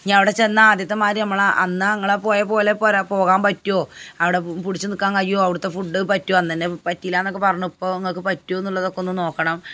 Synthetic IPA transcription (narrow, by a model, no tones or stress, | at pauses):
ɲaːnɐʋiɽet͡ɕe̞nːɐaːd̪jɐt̪ːɐmaːɾinɐmːɐɭaʔɐnːɨɐŋːɐɭpoːjɐpo̞ːle̞poːɾɐpo̞ːɣaːmpɐtːuoːɐʋiɽe̞puɽit͡ɕːɨnikːaːnkɐjoːɐʋiɽut̪ːe̞fuɖːɨpɐtːuoːɐnːt̪ɐnːepɐtːilːaːnːokːepɐrɐɲːupːo̞ːeŋːɐɭkːɨpɐtːuoenːuɭːɐðo̞kːeonːɨmno̞ːkːɐɳɐm